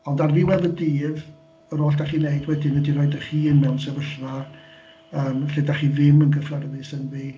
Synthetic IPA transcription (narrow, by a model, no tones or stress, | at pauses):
ɔndarviwɛvədiːv | əɾoːɬd̥aχiːneɨdwɛdɪnədiɾɔɨdəχiːənmɛwnsɛvəɬra | əːmɬedaχiðɪmənɡəflɛrðɨsənvi